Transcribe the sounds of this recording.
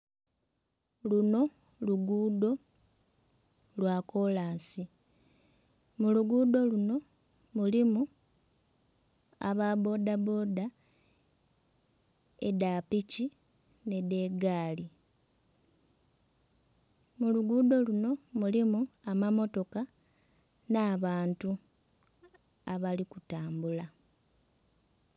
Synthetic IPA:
luno̞ | luɡuːdo̞ | lwako̞laːnsi | muluɡuːdo̞luno̞ | mulimu | a̰βabo̞ːdabo̞ːda | edaːpici | ne̞de̞ːɡaːli | muluɡuːdo̞luno̞mulimuamamo̞to̞ka | naːβaːntu | aβalikutaːmbula

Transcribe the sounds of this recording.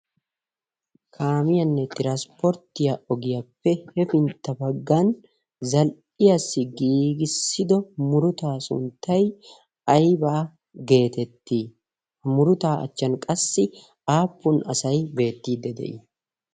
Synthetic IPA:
kʰaːmɪjɐnːɛt̪ɪɾɐspɔɾt̪ɪjɐʔɔɡɪjɐpːɛhɛfɪnt̪ːɐbɐɡːɐn | zɐlʔɪjɐsːɪɡiːɡɪsːɪd̪ɔmʊɾʊt̪aːsʊ̰nt̪ːɐj | ɐjbaː | ɡe̞ːt̪ɛt̪ːiː | hmʊɾʊt̪aːʔɐ̰t͡ʃːɐnkʼɐsːɪ | aːpːʊnɐsɐjbe̞ːt̪ːiːd̪ɛd̪ɛ̰ʔɪ̰

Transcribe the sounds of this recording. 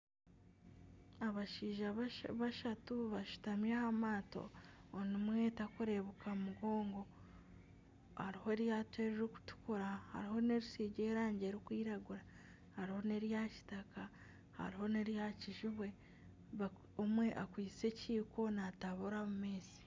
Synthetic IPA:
aβaʃiːʒaβaʃatuβaʃu̥tamjahamaːto̞̰ːnimwe̞ːtakuɾe̞βukaumuɡo̞ːŋɡo̞ | haɾiho̞eɾjatwe̞ɾeɾoku̥tu̥kuɾaha̰ɾiho̞ne̞ɾisiːɟe̞ːɾaːɲɟe̞ːɾikwiːɾaɡuɾa | haɾiho̞ne̞ɾjaci̥takʰa | ha̰ɾiho̞ne̞ɾjaciʒuβwe̞ | β | omwe̞ʔakwiːse̞ciːko̞nataβuɾamumeːzi̥

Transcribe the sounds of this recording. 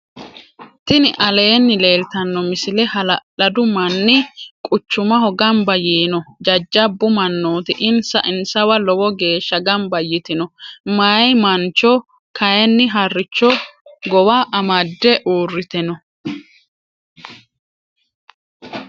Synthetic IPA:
t̪ɪnɪʔɐle̞ːnːɪle̞ːlt̪ɐnːɔmɪsɪlɛhɐlɐlɐd̪ʊmɐnːɪkʼʊt͡ʃːʊmɐɦɔɡɐmbɐjiːnɔd͡ʒɐd͡ʒːɐbːʊmɐnːoːt̪ɪʔɪnsɐʔɪnsɐwɐlɔwɔɡe̞ːʃːɐɡɐmbɐjɪt̪ɪnɔmɐjmɐnt͡ʃːɔ | kɐjɛnːɪɦɐrːɪt͡ʃːɔɡɔwaʔɐmɐd̪ːɛʔuːrːɪt̪ɛnɔ

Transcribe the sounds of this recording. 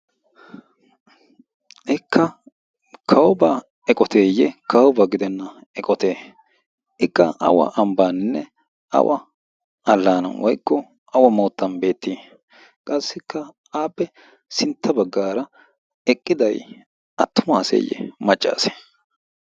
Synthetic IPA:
ʔɪkʰːɐ | kʰɐwɔba | ɛkʼɔt̪eːjːɛkʰɐwɔbaɡɪd̪ɛnːɐ | ɛkʼɔt̪e̞ː | ɪkːɐɐ̰wɐ̰ʔɐmbaːnɪnːɛ | ɐ̰wʔɐ̰ | ɐlːaːnɐ̰wʔɔjkːɔ | ɐwɐmoːt̪ːɐnbe̞ːt̪ːiː | kʼɐsːɪkːɐ | aːpːɛ | sɪnt̪ːɐbɐɡːaːɾɐ | ɛkʼːɪd̪ɐj | ɐt̪ːʊmaːsḛːjːɛ̰mɐt͡ʃʼːa̰ːse̥

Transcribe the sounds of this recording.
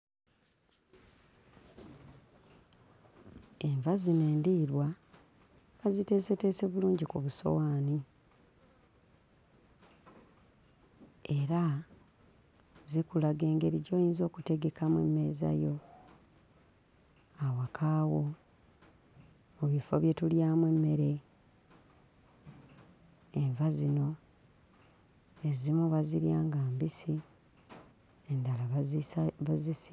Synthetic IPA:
e̞ɱvazineːndiːɾwa | kazite̞ːse̞te̞se̞βuluːɲɟikuβuso̞̰waːni | e̞ɾa | zikulaɡe̞ːŋɡe̞ɾiɟo̞ːjiːnzo̞ːkute̞ɡe̞kamḛmːe̞ːza̰jo̞ | awakʰaːwo | muβifo̰βje̞tuljaːmwe̞mːe̞ɾe̞ | eɱvazino̞ | e̞zimuβaziɾjaːŋɡaːmbisi | endala | βazisi

